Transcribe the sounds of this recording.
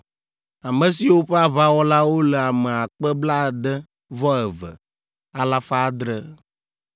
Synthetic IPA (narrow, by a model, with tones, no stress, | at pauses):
a˨mə̃˨si˨wo˦ɸɛ˦a˦βa˦wɔ˦la˦wo˦lɛ˨a˨mɛ˨a˨k͡pɛ˦bla˦˨d̪ɛ˦ | vɔ˦ɛ˨və̰˨ | a˨la˦fa˦d̪ɾə˦